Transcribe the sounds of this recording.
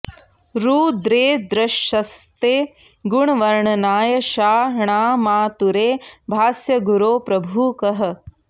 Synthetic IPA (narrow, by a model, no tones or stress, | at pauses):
ɾuːd̪ɾeːd̪ɾɐʃɐst̪eː | ɡuɳʋɐɾɳɐnaːjɐʃaːɾɳaːmaːt̪uɾeːbʱaːsjɐɡuɾoːpɾɐbʱuːkɐɦɐ̆